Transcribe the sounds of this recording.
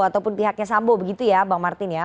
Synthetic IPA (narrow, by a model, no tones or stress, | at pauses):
at̪awpʊnpiɦak̚ɲas̬ambɔbəɡit̪ujabaŋmart̪ɪnja